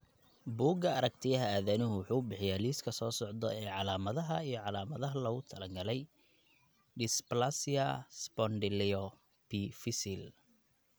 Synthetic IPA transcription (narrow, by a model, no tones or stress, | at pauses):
buːɡɐɐɾɐk̚t̪ʰɪjɐɦɐaːðɐnɪɦʊwʊħuːʊbɪħɪjaːliːskʰɐsɔːsɔʕd̪ɔɛːʕɑlaːmɐðɐɦɐijɞʕɑlaːmɐðɐɦɐlɐɣʊt̪ʰɐlɐŋɡɐlɛj | ɖɪsplasɪɐspɔnɖɪlɛɔ | pʰifɪsɪl